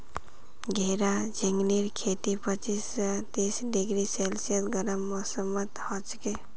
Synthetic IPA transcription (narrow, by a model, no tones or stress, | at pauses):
ɡʱeɾad͡ʒɪ̃ŋɡniɾkʰeːt̪ipət͡ʃist̪iːsɖɪɡɾiselsjət̪ɡəɾəmːɔsəmət̪hɔt͡ʃke